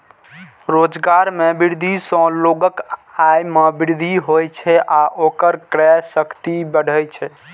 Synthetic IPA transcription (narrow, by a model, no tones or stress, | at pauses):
ɾod͡ʒɡaɾmebiɾd̪ʱisə̃loɡəkajmebiɾd̪ʱiɦojt͡ʃʰɛʔaʔokəɾkɾɛsəkt̪ibəɽ̤ʱəjt͡ʃʰɛ